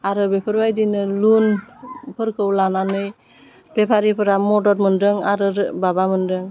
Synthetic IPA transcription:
aɾɯbepʰɯɾbajdinɯlunpʰɯɾkʰɯwlananɯj | bepʰaɾipʰɯɾamɔdɔɾmɯndɯŋaɾɯɾbabamɯndɯŋ

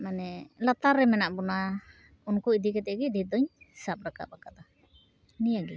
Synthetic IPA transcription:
manɛlat̪aɾːɛmɛnaʔbɔna | unkuid̪ikɛt̪ɛɡɛd̪id̪ɔɲsap̚ɾaka̰pakat̪a | nijaɡi

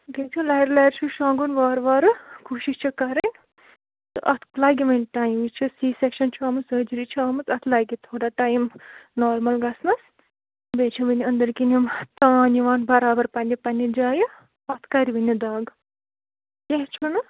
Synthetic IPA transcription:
t̪ik̚t͡ʃʰulɐjɾlɐjɾt͡ʃʰuʃãːŋɡunʋaːɾʋaːɾɨkʰuːʃiʃt͡ʃʰukɐɾɐnʲ | t̪ɨʔɐt̪ʰlaːɡʲimɐnʈaːjimit͡ʃʰusiːsekʃɐnt͡ʃʰaːmɨsəːd͡ʒɾit͡ʃʰiaːmɐt͡sɐt̪ʰlaːɡit̪ʰoːɽaʈaːjmnoːɾmɐlɡɐsnɐs | bet͡ʃʰubɨnʲiənd̪ɐɾkinimt̪ãːniʋaːnbɐɾaːbɐɾpɐnʲipɐnʲid͡ʒaːjɐ | ɐt̪ʰkaɾiʋinʲid̪aːɡ | kʲeɦt͡ʃʰunɨ

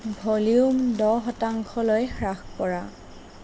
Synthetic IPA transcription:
bʱoliumdɔɦɔtaŋkʰɔlojxɹaxpɔɹa

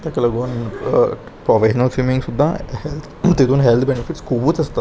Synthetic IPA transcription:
t̪akiləɡoːn | pɾɔfeɕnəlsimĩŋɡsud̪ʱːahelt̪ʰt̪it̪uːnɦelt̪ʰbenifiʈskʰubuːt͡sɐst̪a

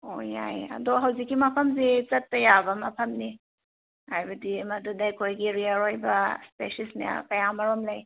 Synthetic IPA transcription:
o̰ja̰jɐ̰doɦɐwzikːimɐpʰɐmzit͡ʃɐtːɐjabɐmɐpʰɐmni | hajbɐdimɐdudajkʰojɡiɾiaɾojbɐspesisnḭa̰kɐjamɐɾomlɐj

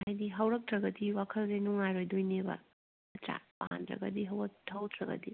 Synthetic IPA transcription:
hajdiɦɐwɾɐk̚tɾɐɡɐdiwakʰɐlzenuŋajɾojdojnebɐ̰ | ɐtɾa̰pa̰ndɾɐ̰ɡɐdiɦɐwɐtʰɐwtʰɾɐɡɐ̰di

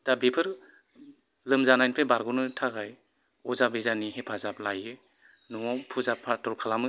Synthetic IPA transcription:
tabepʰɯɾ | lɯmzanajnpʰebaɾɡɔnɯtʰaɡaj | ɔzabezaniɦepʰazap̚lajɯ | nuŋawpʰuzapʰːaɾtɔɾkʰalamɯ

